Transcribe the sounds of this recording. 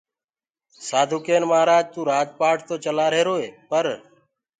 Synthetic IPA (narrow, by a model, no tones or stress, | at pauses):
saːd̪ʱuːkeːnmaːɾaːd͡ʒt̪ũːɾaːd͡ʒpaːʈʰt̪oːt͡ʃəlaːɾeːɾoːeːpəɾ